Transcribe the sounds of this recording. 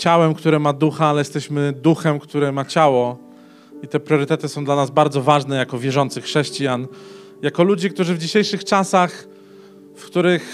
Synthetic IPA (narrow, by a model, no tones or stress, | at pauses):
t͡ɕawɛmkt̪uɾɛmad̪uxaalɛjɛst̪ɛɕmɘd̪uxɛmkt̪uɾɛmat͡ɕawɔ | it̪ɛpɾʲjɔɾɘt̪ɛt̪ɘsɔ̃w̃nd̪lanazbaɾd̪zɔvaʐnɛjakɔvʲjɛʐɔnt̪sɘxʂɛɕt͡ɕijan | jakɔlud͡ʑikt̪uʐɘvd͡ʑiɕejʂɘxt͡ʂasax | fkt̪uɾɘx